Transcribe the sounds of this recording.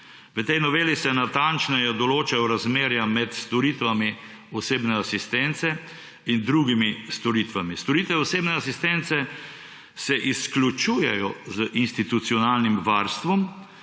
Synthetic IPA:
ʋət̪ɛjnɔʋeːlisɛnat̪ant͡ʃnɛjɛd̪ɔloːt͡ʃajɔɾazmeːɾjamɛt̪st̪ɔɾit̪ʋami | ɔseːbnɛasist̪ɛnt̪sɛ | ind̪ɾuɡimist̪ɔɾiːt̪ʋamist̪ɔɾit̪ʋɛɔseːbnɛasist̪ɛnt̪sɛ | sɛʔisklʲut͡ʃuːjɛjɔzəʔinst̪it̪ut̪siɔnaːlnimʋaɾst̪ʋɔm

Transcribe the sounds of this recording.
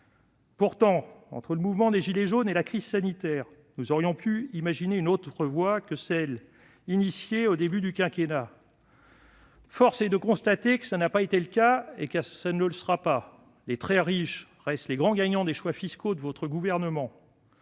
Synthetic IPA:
puʁt̪ɑ̃ɑ̰̃t̪χələmuvmɑ̃d̪eʒileʒonelakχiz̥sanit̪ɛːʁ | nuzɔʁjɔ̃pyimaʒineynot̪χəvwakəsɛl | inisjeod̪ebyd̪ykʲɛ̃kʲena | fɔʁsed̪əkɔ̃st̪at̪ekə̥sanapaet̪eləkaeksanələsəʁapa | let̪χɛʁiʃ | ʁɛst̪leɡʁɑ̃ɡaɲɑ̃d̪eʃwafiskod̪əvɔt̪χəɡuvɛʁnəmɑ̃

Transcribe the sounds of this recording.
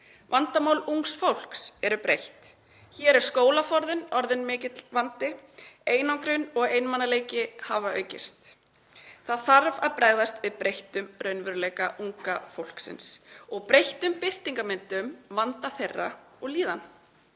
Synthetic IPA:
vant̪amaːwluŋksfowl̥ksɛɾʏpɾejht̪ | çɛːɾɛɾ̥skoːwlafɔɾðɪnɔɾðɪnmɪːcɪt̪lvant̪ɪeːjnawŋkɾʏnɔɣeːjnmanːaleːjcɪhavaœ̰ːɥcɪ̰st̪ | θaðθaɾvaðpɾaːjɣðast̪vɪðpɾejht̪ʏmrœɥnvʏɾʏlejkaʔuŋkafowl̥ksɪ̰nsɔɣpɾejht̪ʏmpɪr̥t̪iŋkamɪnt̪ʏmvant̪aθejrːa | ɔɣliːðan

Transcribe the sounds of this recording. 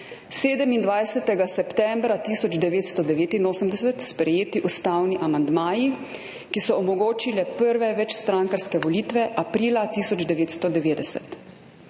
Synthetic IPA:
seːd̪əmind̪ʋajsɛt̪ɛɡasɛpt̪ɛmbɾat̪isɔd͡ʒd̪ɛʋeːt̪st̪ɔd̪ɛʋeːt̪inoːsəmd̪ɛsɛt̪spɾɛjeːt̪iʔust̪aːwniʔamand̪maːji | kisɔɔmɔɡoːt͡ʃilɛpəɾʋɛʋɛt͡ʃst̪ɾaŋkaɾskɛʋɔliːt̪ʋɛʔapɾiːlat̪isɔd͡ʒd̪ɛʋeːt̪st̪ɔd̪ɛʋeːd̪ɛsɛ̰t̪

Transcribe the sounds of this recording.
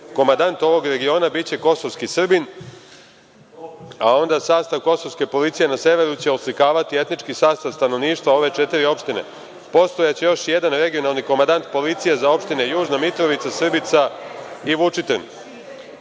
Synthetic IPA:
ko̞mand̪ant̪o̞ʋo̞ɡɾe̞ɡio̞ːnabit͡ɕe̞ko̞so̞ʋskisr̩bin | ao̞nd̪asaːst̪aʋko̞so̞ʋske̞po̞lit̪sije̞nase̞ʋe̞ɾut͡ɕe̞oslikaːʋat̪ie̞t̪nit͡ʃkisaːst̪aʋst̪ano̞ʋniːʃt̪ʋao̞ʋe̞t͡ʃe̞t̪iɾio̞pʃt̪ine̞̰ | po̞st̪o̞jat͡ɕe̞jo̞ʃje̞d̪anɾe̞ɡio̞nalˠniko̞mand̪ant̪po̞lit̪sijezao̞pʃt̪inejuːʒnamit̪ɾo̞ʋit̪sasr̩bit̪saiʋut͡ʂit̪en

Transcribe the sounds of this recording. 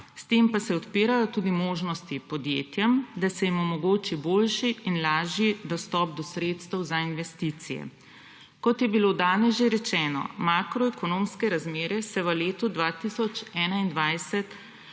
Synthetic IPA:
st̪eːmpasɛɔt̪piːɾajɔt̪uːd̪imoːʒnɔst̪ipɔd̪jeːt̪jɛmd̪asɛjimɔmɔɡoːt͡ʃiboːlʃiːnlaːʒid̪ɔst̪ɔːpd̪ɔsɾeːt̪st̪ɛwzainʋɛst̪it̪sijɛ̰ | kɔt̪jɛbilod̪aːnɛsʒeɾɛt͡ʃɛːnɔ̰makɾɔɛkɔnoːmskɛɾazmeːɾɛsɛʋəleːt̪ud̪ʋat̪isɔt͡ʃɛːnaind̪ʋajsɛt̪

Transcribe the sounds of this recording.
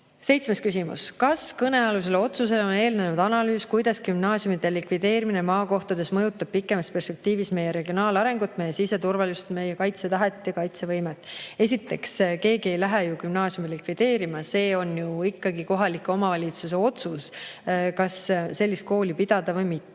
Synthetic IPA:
se̞jt̪sme̞skysimṵskɑskɤne̞ɑlus̬e̞leo̞t̪sus̬e̞leo̞ne̞ːlne̞nud̪ɑnɑlyːskujd̪̥ɑskymnɑːsjumid̪elikvid̪̥e̞ːɾimine̞mɑːko̞ht̪ɑd̪̥e̞smɤjut̪ːˑɑb̥̚pikːˑemɑspe̞rspek̚t̪iːvisme̞jeɾe̞ɡio̞nɑːlɑɾe̞ŋɡ̥ut̪ːˑme̞jːesise̞t̪urvɑlust̪me̞jːekɑjt̪set̪ɑɦet̪ːˑjɑkɑjt̪sevɤjmet̪ːˑe̞sit̪ːˑe̞kske̞ːɡie̞jlæɦɛjukymnɑːsjumilikvid̪̥e̞ːɾimɑse̞ːo̞njuikːɑɡiko̞ɦɑlikːˑeo̞mɑvɑlʲit̪sus̬e̞o̞t̪suskɑsse̞lːist̪̚ko̞ːlʲipid̪̥ɑd̪̥ɑvɤjmit̪ːe

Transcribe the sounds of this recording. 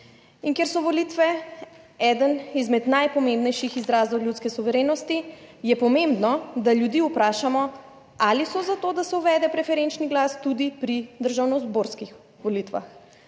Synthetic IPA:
iŋkeɾsɔʋɔlit̪ʋɛ | ɛd̪ənizmɛd̪najpɔmẽmbnɛjʃixizɾaːzd̪ɔwljut̪skɛsuʋɛɾeːnɔst̪ijɛpɔmembnɔd̪aljud̪iːupɾaːʃamɔ | alisɔzat̪oːd̪asɛuʋɛːd̪ɛpɾɛfɛɾent͡ʃniɡlast̪ud̪ipɾid̪əɾʒawnɔzboɾskix | ʋɔlit̪ʋa̰x

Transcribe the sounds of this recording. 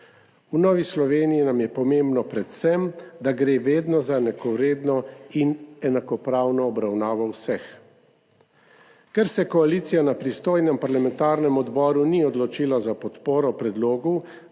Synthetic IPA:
unɔːʋislɔʋeːnijinamjɛpɔmẽmbnɔpɾɛt̪sɛmd̪aɡɾeːʋeːd̪nɔzaɛnakɔwɾeːd̪nɔinɛnakɔpɾaːwnɔːbɾawnaːʋɔwsɛx | kɛɾsɛkɔaliːt̪sijanapɾist̪oːjnɛmpaɾlamɛnt̪aːɾnɛmɔd̪bɔːɾuniɔd̪lɔt͡ʃiːlazapɔt̪poːɾɔpɾɛd̪loːɡu

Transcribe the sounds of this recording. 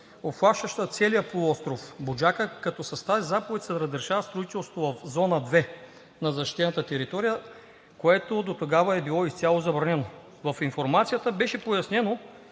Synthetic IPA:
opxlˠaʃəʃt̪ət̪sɛlijəpolˠɔst̪ɾofbod͡ʒakəkɐt̪ɔsɐst̪azʲizapovɛt̪ʲsɛd̪ɾɐd̪ɐɾʃavəst̪ɾoit̪ɛlˠst̪ot̪ovɐfzɔnəd̪vɛ | nɐzɐʃt̪i̥t̪ɛnɐt̪ət̪ɛɾit̪ɔɾijə | koɛt̪od̪ot̪oɡavəɛbilˠɔist̪sʲalˠozɐbɾɐnɛno | vɐfinfoɾmat̪sijət̪əbɛʃɛpojɐsnɛno

